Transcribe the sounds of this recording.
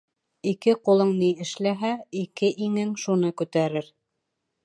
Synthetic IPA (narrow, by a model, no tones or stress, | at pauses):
ikɘqulˠɤɴniɘ̆ʃlæɦæikɘʔiŋɘŋʃunɤkʉt̪æɾɘɾ